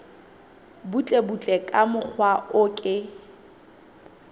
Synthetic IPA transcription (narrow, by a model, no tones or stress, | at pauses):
but͡ɬʼebut͡ɬʼɛkʼamʊk͡xʰwaʔʊkʼɪ